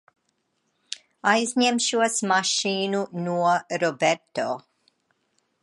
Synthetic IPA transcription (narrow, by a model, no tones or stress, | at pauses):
ajzɲɛmʃuɐsmaʃiːnunuɐɾɔbɛɾt̪o